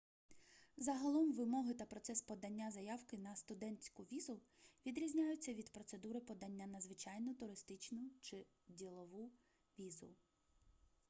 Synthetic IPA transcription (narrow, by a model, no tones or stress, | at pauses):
zɐɦɐlˠɔmʋɪmɔɦɪt̪ɐpɾɔt̪sɛspɔd̪ɐnʲːazɐjɑwkɪnɐst̪ʊd̪ɛnt͡sʲkʊʋʲizʊ | ʋʲid̪ɾʲizʲnʲajʊt͡sʲːɐʋʲid̪pɾɔt̪se̞d̪uɾɪpɔd̪ɐnʲːanɐzʋɪt͡ʃɑjnʊt̪ʊɾɪst̪ɪt͡ʃnʊt͡ʃɪ | dʲilˠɔʋu | ʋʲizʊ̰